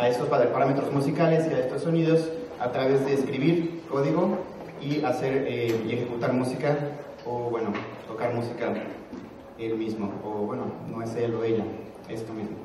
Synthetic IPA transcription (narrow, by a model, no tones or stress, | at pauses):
ae̞st̪ospapaɾame̞t̪ɾo̞zmusikalesiaest̪osːoniðo̞sat̪ɾaβe̞zðe̞ːskɾiβiɾko̞ðiɣo̞ | iase̞ɾee̞xe̞kut̪aɾmusika | oβwe̞not̪o̞kaɾmusika | elmizmooβwe̞nonoeseloðeʎa | e̞st̪omizmo